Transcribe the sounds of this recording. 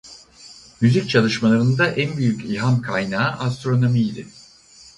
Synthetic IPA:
myzic̚t͡ʃʰalˠɯʃmalˠaɾɯnd̪aʔænbyjycilɦamkʰajnaːʔast̪ɾo̞no̞miːd̪ɪ

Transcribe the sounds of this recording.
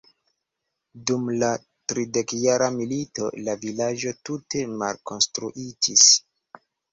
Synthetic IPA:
dumla | tɾide̞kjaɾamilito̞̰lavilad͡ʒo̞tute̞ma̰lko̞nstɾuʔid͡ʒis

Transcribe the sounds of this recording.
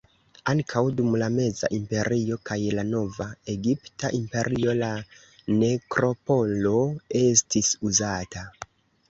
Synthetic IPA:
aŋkʰawdumlame̞za̰ʔimpe̞ɾʔio̞kajlano̞vae̞ɡiptaʔimpe̞ɾʔio̞la | ne̞kɾo̞po̞lo̞e̞stisuzata

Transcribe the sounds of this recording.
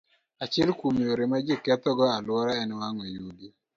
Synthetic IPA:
at͡ʃɪlkumioɾemad͡ʒikɛt̪ɔɡɔalwɔɾaɛnwaŋwejuɡi

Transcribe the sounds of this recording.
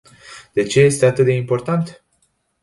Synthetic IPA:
d̪̥et͡ʃeest̪d̪at̪əd̪eimpoɾt̪ant̪

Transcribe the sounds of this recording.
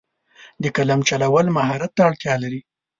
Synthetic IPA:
d̪əkalamt͡ʃalawəlmaɦɑɾat̪ːaːɽt̪jɑlaɾi

